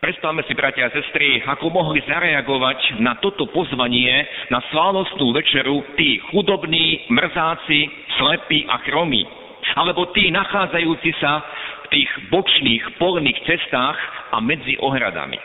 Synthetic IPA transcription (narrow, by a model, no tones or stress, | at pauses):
pɾɛt̪st̪aʋmɛsibɾacaasɛst̪ɾiakɔmɔɦlizaɾɛaɡɔʋacnat̪ɔt̪ɔpɔzʋaɲɪɛnaslaːnɔst̪nuːʋɛt͡ʃɛɾut̪iːxud̪ɔbniːmr̩zaːt͡si | slɛpiʔa̰xɾɔmḭː | alɛbɔt̪iːnaxaːd͡zajuːt͡sisaft̪iːɣbɔt͡ʃniːxpɔlniːxt͡sɛst̪aːxʔa̰mɛd͡ziʔɔɦɾa̰d̪a̰mḭ